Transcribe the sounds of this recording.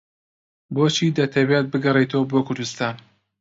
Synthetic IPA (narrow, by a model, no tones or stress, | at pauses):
boːt͡ʃʰiːd̪ɐt̪ʰɐwjat̪̚bɨɡɐret̪ʰɐwɐboːkʰʊɾd̪ust̪aːn